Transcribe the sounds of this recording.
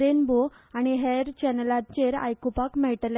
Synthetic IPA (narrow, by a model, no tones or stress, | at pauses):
ɾenbo | añiɦeɾt͡ɕɛnəlat͡ɕeɾa̰jkupakmɛʈl